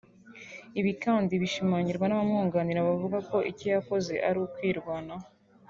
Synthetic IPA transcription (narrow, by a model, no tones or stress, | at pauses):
iβikaːndiβiʃimaːɲiɾɡwanaβamŋuːŋɡaːniɾaβavuɡako̞ʔicojakoze̞̰ʔaɾukwiːɾɡwaːna